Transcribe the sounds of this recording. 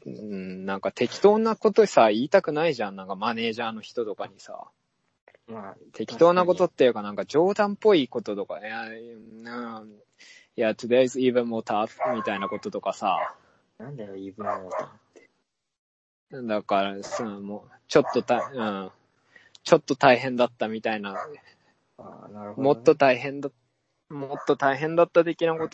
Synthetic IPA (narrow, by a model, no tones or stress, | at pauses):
ɯ̟̃nãŋkat̪e̞kʲi̥t̪o̞ːnako̞t̪o̞saiːt̪akɯ̟naiʑãnnãŋkamane̞ːʑaːno̞çi̥t̪o̞t̪o̞kaɲ̟isa̰ | t̪ʰe̞kʲi̥t̪o̞ːnako̞t̪o̞t̪ːejɯ̟kanãŋkad͡ʑo̞ːd̪ãmpːo̞iːko̞t̪o̞t̪o̞kaja | ɯ̃ | jat̪oɾiaizɨiːβɯ̟̃mmo̞ːt̪atmʲit̪ainako̞t̪o̞t̪o̞kasa̰ | oa | d̪akaɾasamot͡ɕo̞t̪ːot̪aɯ̟̃ɴ | t͡ɕo̞t̪ːo̞t̪aiɦẽ̞nd̪at̪ːamʲit̪aina | namo̞t̪ːo̞t̪aiɦẽ̞nd̪a | mot̪ːo̞t̪aiɦẽ̞nd̪at̪ːat̪̬e̞kʲinako̞t̪o